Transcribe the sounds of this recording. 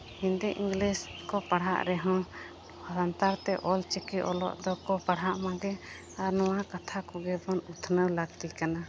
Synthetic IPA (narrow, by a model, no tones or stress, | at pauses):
hĩnd̪iʔĩŋɡliskɔpaɽ̤ɦa̰ʔɾɛɦɔ̃ | bɔɾant̪aɾt̪ɛʔɔlt͡ʃɛkiʔɔlɔ̰ʔd̪ɔkɔpaɽɦaʔmãɡɛ | aɾnɔwakat̪ʰakɔɡɛbɔnut̪ʰnəwlaɡt̪ikana